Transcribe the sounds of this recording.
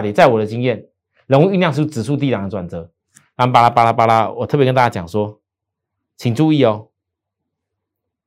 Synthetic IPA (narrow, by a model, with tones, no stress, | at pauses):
t̪jɛ˨˩˦t͡sa˥˩ɪwɔ˨˩d̪ə˩t͡ɕi˦ŋjɛ˥˨n | lə˧˦ŋwu˥˧y˥˧njɑ˥˧ŋʂ̬̩˥˩˥t͡sɻ̩˨˩s̬u˥˧t̪̬i˥˨ʈ͡ʂa˨˩ŋə˧˩ʈ͡ʂwa˨˩nt͡sɤ˨˦ | na˥˧˩ŋ˨pa˥la˧pa˥la˧pa˦˥la˦wɔ̰˨˩ɤ˥˩pjkə˦nt̪a˥˩t͡ɕa˥jɑ˨˩ŋʂwɔ˦ | t͡ɕʰi˨˩ŋʈ͡ʂu˥˧i˥˩˨ɔ˨